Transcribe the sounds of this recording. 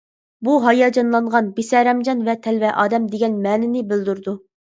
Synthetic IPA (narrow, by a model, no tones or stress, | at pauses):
buɦɑjɑːd͡ʒɑnlˠɑɴʁɑnbesɛɾɛmd͡ʒɑnvɛt̪ʰɛlvɛʔɑːd̪ɛmd̪eɡʲɛnmɛːnɪnɪbɪld̪uɾd̪u